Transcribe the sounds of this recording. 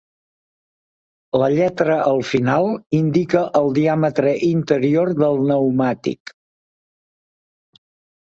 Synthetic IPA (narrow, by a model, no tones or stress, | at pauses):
ləʎɛt̪ɾəʔəlˠfinalˠind̪ikəʔəlˠd̪iamət̪ɾəʔint̪əɾiorðəlˠnəwmat̪ḭk